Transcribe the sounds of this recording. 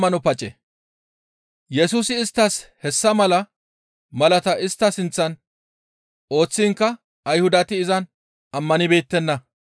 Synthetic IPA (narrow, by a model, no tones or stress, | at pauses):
ɐnɔpɐt͡ʃʼɛ | jɛsuːsɪːst̪ːɐshɛsːɐmɐlɐ | mɐlɐt̪ɐʔɪst̪ːɐsɪnt͡sːɐn | ʔo̞ːt͡sːɪŋkːɐ | ɐjhʊd̪ɐt̪ɪːzɐn | ɐmːɐnɪbeːt̪ːɛnːɐ